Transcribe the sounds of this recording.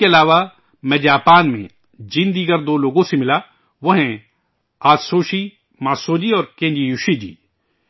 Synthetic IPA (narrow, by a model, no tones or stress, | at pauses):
keɐlaːʋa | mɛ̃ːd͡ʒaːpaːnmḛ̃ | d͡ʒind̪iːɡəɾd̪oːloːɡõsemɪla | ʋoɦɛ̃ | aːsoːʃi | maːsoːd͡ʒiɔːɾkẽːɲd͡ʒijuʃid͡ʒḭː